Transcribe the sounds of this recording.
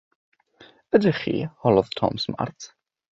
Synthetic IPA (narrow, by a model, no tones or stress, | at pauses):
ədɪχḭːhɔlɔðtʰɔ̰msəma̰rtʰ